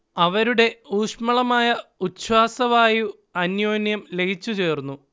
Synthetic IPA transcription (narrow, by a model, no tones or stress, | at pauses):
ɐʋɐɾuɽe̞uːʂmɐɭɐmaːjɐut̪ɕwaːsɐʋaːju | ɐnjo̞ːnjɐmle̞ɡʱit͡ɕːut͡ɕe̞ːrnːu